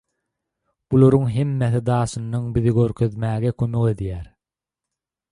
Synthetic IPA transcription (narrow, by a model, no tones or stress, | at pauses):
b̥ulˠoɾuŋɦe̞mːeθid̪ɑːʃɯnːɑŋbiðiɡøɾkʰø̞ðmæːɣekʰømø̞ke̞d̪jæːɾ